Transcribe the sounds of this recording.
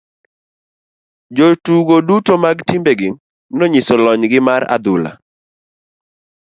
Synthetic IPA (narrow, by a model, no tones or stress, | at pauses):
d͡ʒotuɡodutomaɡtimbeɡɪ | nɔɲɪsɔlɔɲɡɪmaɾa̰d̪ʊla̰